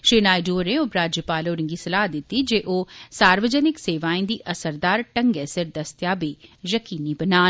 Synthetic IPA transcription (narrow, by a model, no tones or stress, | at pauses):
ʃiːnaːid͡ʒoːɾeʊpɾaːd͡ʒjəpaːloːɾɪ̃ŋɡisɐlaːɦd̪ɪt̪ːid͡ʒeːʔoːsaːɾʋəd͡ʒənɪkseːʋaːĩd̪iʔɐsəɾd̪aːɾʈəŋɡesɪɾd̪ɐst̪jaːbeːjɐkiːnibənaːn